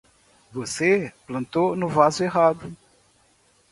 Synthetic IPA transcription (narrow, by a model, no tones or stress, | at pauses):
voseplɐ̃nt̪onʊvazʊeɦad̪ʊ